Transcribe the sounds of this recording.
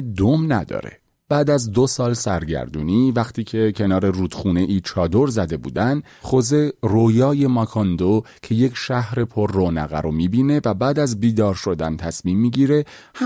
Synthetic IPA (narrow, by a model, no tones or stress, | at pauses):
d̪omnæd̪ɒ̰ːɾḛ | b̥æːd̪æzd̪osɒːlsæɾɟæ̰ɾd̪uːniːvæχt̪ʰiːcʰe̞cʰe̞nɒːɾe̞ruːd̪̥xuːne̞ʔiːt͡ʃʰɒːd̪o̞ɾzæd̪e̞bṵːd̪æn | χoze̞roːjɒːje̞mɒkʰɑnd̪ocʰe̞je̞cʰʃæhɾe̞pʰorːoːnæɣæɾomiːbiːne̞væbæːd̪æzbiːd̪ɒːɾʃo̞d̪ænt̪ʰæsmiːmːiːɟiːɾe̞ | h